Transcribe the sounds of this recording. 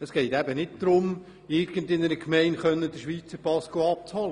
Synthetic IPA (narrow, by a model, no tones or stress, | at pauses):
əsɡ̥ɛɪtæbənɪt̚d̪̥ɾʊm | ɪɾɡəndɪnəɾəkʰmɛɪnχœnːəd̥̪əʃʋiːt͡səɾpɑskoɑp̚t͡shɔlə